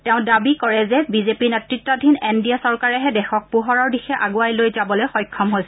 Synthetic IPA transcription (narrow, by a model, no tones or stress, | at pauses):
tɛʊ̃dabikɔɹɛzɛbizepiɹnɛtɹitːɔdʱinendiasɔɹkaɹɛɦɛdɛxɔk̚puɦɔɹaɹdixɛʔaɡuajlojzabɔlojxɔjkʰːɔmɦojsɛ